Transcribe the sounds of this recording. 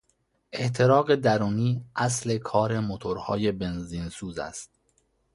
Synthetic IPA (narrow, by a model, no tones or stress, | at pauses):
ʔe̞ʔt̪ʰe̞ɾɒːɣe̞d̪æɾuːniːʔæsle̞kʰɒːɾe̞mot̪ʰoɾhɒ̰ːje̞be̞nziːnsuːzæ̰st̪̚